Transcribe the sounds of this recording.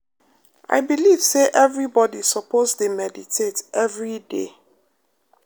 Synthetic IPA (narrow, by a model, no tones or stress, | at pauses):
ʔa̰ɪbiliv̥seʔɛvɹibɔdisɔpʰozdemɛditʰetɛvɹidḛ